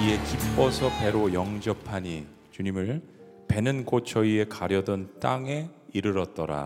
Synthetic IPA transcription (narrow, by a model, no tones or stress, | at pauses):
ie̞kip͈ːʌsʰʌpe̞ɾojʌŋd͡ʑʌpʰaɲi | t͡ɕuɲimɯɭ | pe̞nɯnkʰot͡ɕʰʌie̞kaɾjʌdʌnt͈aŋe̞ | iɾɯɾʌt̚t͈ʌɾa̰